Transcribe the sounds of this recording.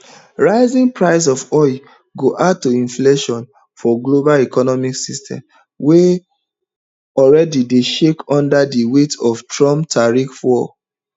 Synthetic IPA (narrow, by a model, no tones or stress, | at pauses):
ɹaɪzĩŋpɹaɪs̬ɔfɔɪ | ɡoʔatːoĩnfleʃɔ̃n | fɔɡlobalikɔnɔmiksistʰɛ̰̃m | we | ɔlɹɛdideʃekɔ̃ndadiwetɔftɹɔ̃mtʰaɹikfɔ